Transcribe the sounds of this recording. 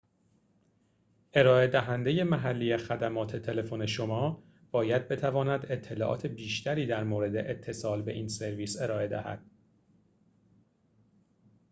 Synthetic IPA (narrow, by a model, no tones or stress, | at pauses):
ʔe̞ɾɒːe̞d̪æɦænd̪e̞je̞mæɦælːijexæd̪æmɒːt̪ʰe̞t̪ʰe̞le̞fone̞ʃo̞mɒː | b̥ɒːjæd̪̚be̞t̪ʰævɒːnæd̪e̞t̪ʰːe̞lɒːʔɒ̰ːt̪ʰe̞biːʃt̪ʰæɾiːd̪æɾmoːɾe̞d̪e̞ʔet̪ʰːe̞sɒːlbe̞ʔiːnse̞ɾviːse̞ɾɒːe̞d̪æ̰hæ̰d̪̥̚